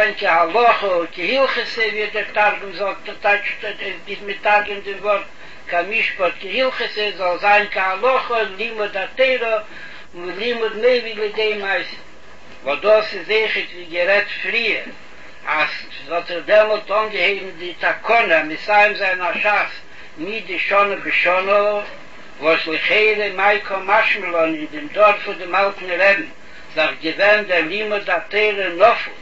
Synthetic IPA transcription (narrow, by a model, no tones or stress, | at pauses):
ɪnkɪhalˠɔχəʊkɪhilˠχəsəviːəɾdəɾtaɾɡmzɔlˠtat͡ʃtbɪsmɪtaɾɡəndɪmvɔɾt̚ | kʰamɪʃpɔtkəhilˠχəsəzɔlˠzaɪnkahalˠɔχəlˠimʊdateɪɾə | lˠimʊdmeɪvilˠɪdeɪmaɪs | vɔdɔsɪzeɪχətviːɡəɾɛtfɾiːəɾ | as | ɔtəχdɛmɔlˠtɔŋɡəheɪbm̩dɪtʰakʰɔnəamɪsaɪmzaɪnaʃas | nɪt̚dɪʃɔnəbɪʃɔnə | vɔslˠɪχeɪɾəmaɪkʰɔmaʃməlˠɔnɪndɪmdɔɾfʊdɪmalˠtn̩ɾɛbm̩ | zafɡəvɛndɛɾlˠimʊdateɪɾənɔfl̩ˠ